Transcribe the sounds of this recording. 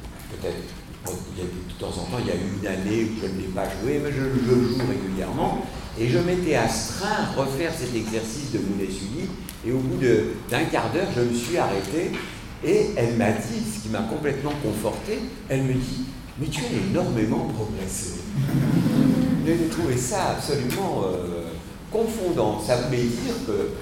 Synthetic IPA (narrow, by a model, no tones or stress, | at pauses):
pøt̪ɛt̪χ | iljad̪ət̪ut̪ɑ̃zɑ̰̃t̪ɑ̃ilja̰yynaneuʒənlɛpaʒuemɛʒələʒəʒuʁeɡʲyljɛ̰ʁmɑ̃ | eʒəmet̪ɛast̪χɛ̃ʁəfɛʁsɛt̪ɛɡzɛʁsisd̪əmonɛsyli | eobud̪əd̪ɛ̃kaʁd̪œːʁʒəməsɥiaʁet̪eː | ɛlmad̪isə̥kʲimakɔ̃plɛt̪mɑ̃kɔ̃fɔʁt̪e | ɛlməd̪i | mɛt̪yɛenɔʁmemɑ̃pχɔɡʁɛse | neʒet̪χuvesaːpsɔlymɑ̃ø | kɔ̃fɔ̃d̪ɑ̃savulɛd̪iːʁkə